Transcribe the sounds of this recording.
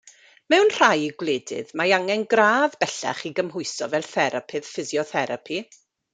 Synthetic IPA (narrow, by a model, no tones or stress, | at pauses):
mɛwnr̥ajiɡwleːdɪ̰ðmaaŋɛnɡraːvbɛɬɛ̰χiɡəmɦʊɨsɔvɛlˠθɛɾapʰɨð̥fɪzjɔθɛɾapʰi